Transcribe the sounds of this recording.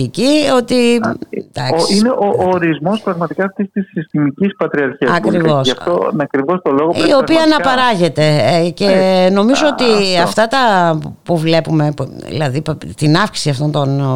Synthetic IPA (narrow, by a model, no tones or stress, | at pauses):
icio̞t̪id̪̥ɐkssineʔoʔoːɾizmo̞spɾɐɣmɐt̪ikɐːft̪ist̪isːist̪imicispɐt̪ɾiɐɾçiɐɐkkɾivosʝɐft̪onɐkɾivost̪oloɣoio̞piɐːnɐpɐɾɐʝe̞t̪e̞ceno̞mizoot̪iɐft̪ɐt̪ɐpuvle̞pume̞ḭlɐðipt̪inɐfksi̥siɐft̪o̞nt̪o̞n